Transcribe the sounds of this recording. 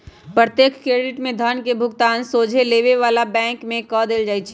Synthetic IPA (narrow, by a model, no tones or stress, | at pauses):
pɾət̪jeːkʰkɾeːɖɪʈmẽd̪ʱənkebʱʊɡt̪aːnsoːd͡ʒʱeleʋeʋaːlabɛ̃ːŋkmẽkɔd̪eːld͡ʒaːit͡ʃʰɛ̥